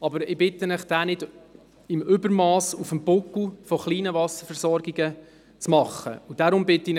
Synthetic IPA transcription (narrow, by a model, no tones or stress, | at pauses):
ɑbəɾɪbɪtənəχd̥æːnɪd | ɪmʏbəɾmɑːsufəmbʊkl̩ˠfɔχliːnəvɑsəɾfɛɾzɔɾɡiɡə | t͡smɑχə̰ud̥aɾʊmbɪtːɪn